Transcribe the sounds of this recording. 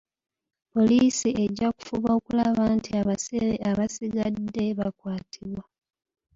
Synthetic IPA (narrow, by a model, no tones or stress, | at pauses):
po̞liːsie̞ɟːaku̥fuβao̞kulaβaːntʰiaβaseɾeaβasiɡadːe̞βakwaːtʰiβwa